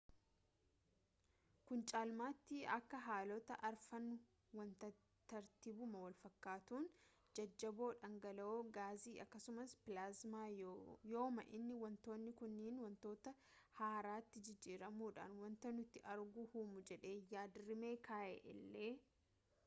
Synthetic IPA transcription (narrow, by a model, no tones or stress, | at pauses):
kʊnt͡ʃʼaːlmaːt̪ːɪɐ̰kːɐɦaːlɔt̪ɐʔɐɾfɐnːʊ | wɐnt̪ɐ | t̪ɐɾt̪ibʊmɐwɐlfɐkːaːt̪uːn | d͡ʒɐd͡ʒːɐbo̞ːᶑɐŋɡɐlɐoːɡaːziːʔɐkːɐsʊmɐspɪlaːzmaːjo̞ːmɐ̰ʔɪnːɪwɐnt̪o̞ːnːɪkʊnːiːnwɐnt̪o̞ːt̪ɐ | haːɾaːt̪ːɪd͡ʒɪd͡ʒːiːɾɐmuːᶑa̰ːnwɐnt̪ɐnʊt̪ːɪʔɐɾɡʊhuːmʊd͡ʒɛᶑe̞ːjaːd̪ɪɾɪme̞ːkʰaːʔḛːʔɪ̰lːe̞ː